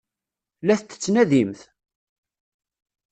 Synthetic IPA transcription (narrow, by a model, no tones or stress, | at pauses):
læθt̪ːə̥t͡sːnæðimθ